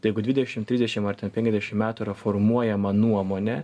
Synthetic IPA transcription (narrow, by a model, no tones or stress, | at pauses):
ɐjɛɪɡʊd̪ʲʋʲɪd̪ʲɛʃʲɪmt̪ʲɾʲɪzʲd̪ʲɛʃʲɪmɐɾt̪ʲɛnpʲɛŋʲkʲɛzd̪ʲɛʃʲɪmmʲæːt̪ʊɪɾɐfoɾmuɔjɛmɐnuɔmoːnʲɛ